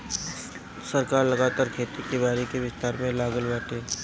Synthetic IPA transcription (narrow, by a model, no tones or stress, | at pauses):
sɐɾkaːɾlɐɡaːt̪aːɾkʰeːt̪ikibaːɾikeʋɪst̪aːɾmẽlaːɡəlʋaːʈe